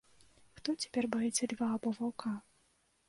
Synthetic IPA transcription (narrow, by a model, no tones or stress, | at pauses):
xt̪ɔt͡sʲḁpʲɛrbajit͡s̪ʲɛd̪vaːbɔvawkʰa